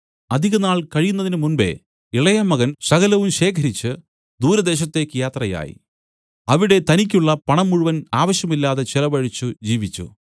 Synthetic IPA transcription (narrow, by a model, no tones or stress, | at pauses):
ɐd̪ʱiɣɐnaːɭkɐɻijunːɐðinɨmunbe̞̰ | iɭɐjɐmːɐɣɐnsɐɣɐlɐʋumɕe̞ːkʰɐɾit͡ɕːɨ | d̪uːɾɐd̪e̞ːɕɐt̪ːe̞ːkːɨjaːt̪rɐja̰ːjḭ | ɐʋiɽe̞t̪ɐnikʲːuɭːɐpɐɳɐmːuɻuʋɐnaːʋɐɕjɐmilːaːðe̞t͡ɕelɐbɐɻit͡ɕːud͡ʑiːʋit͡ɕːṵ